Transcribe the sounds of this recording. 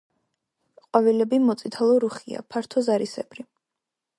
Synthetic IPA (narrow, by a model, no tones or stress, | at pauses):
qʼwavilɛbimɔt̪sʼit̪ʰalˠɔɾuχia̰pʰaɾt̪ʰɔzaɾisɛbɾi